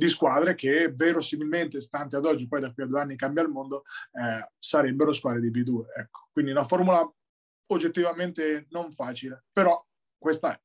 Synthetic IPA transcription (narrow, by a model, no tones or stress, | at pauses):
d̪iskwaːd̪ɾek̟evːeːɾosimilment̪est̪ant̪ead̪ɔd͡ʒːipɔjd̪akːwiad̪ueanːikambjalmond̪oɛsaɾɛbːeɾoskwaːd̪ɾed̪ibid̪uːeɛkːo̥kwind̪iunafoɾmula | od͡ʒːet̪ːivament̪enoɱfaːt͡ʃilepeɾɔ | kːwest̪aɛ